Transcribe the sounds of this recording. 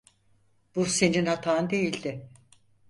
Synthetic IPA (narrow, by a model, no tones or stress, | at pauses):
b̥use̞ninhat̪ʰaːnd̪e̞jilʲd̪ɪ